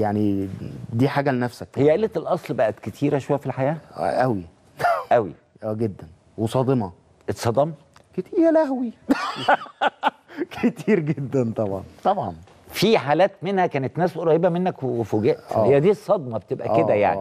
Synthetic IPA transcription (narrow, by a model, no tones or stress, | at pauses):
jaʕnid̪iːħaːɡælenæfsækejːæʔelːet̪elʔɑsˤlbæʔæt̪ket̪ʰiːɾæʃowæjæfilħajæ̰ːʔæwi | ʔæwḭ | ʔæːɡed̪ːæn | wesˤɑːd̪ˤemɑ | ʔesˤːɑd̪ˤɑm | ket̪iːælæhwi | kʰet̪iːɾɡed̪ːænt̪ˤɑbʕɑ̰nt̪ˤɑbʕɑ̰n | fiħaːlæːt̪menhækæːnet̪næːsʔoɾˤɑjebæmenːækwwefoɡæʔt̪ːhejːæd̪iːsˤːɑd̪mɑbet̪ebʔæ̰ked̪æja̰ʕni